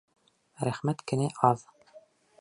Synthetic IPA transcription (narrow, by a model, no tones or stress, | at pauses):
ɾæχmæt̪kɘ̆næʔɑð